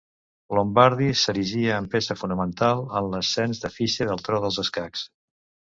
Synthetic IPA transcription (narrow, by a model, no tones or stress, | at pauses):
lombaɾðisəɾiʒiəːmpesəfunəmənt̪alˠənləsːɛnzðəfisəðəlˠt̪ɾɔðəlˠzəskaks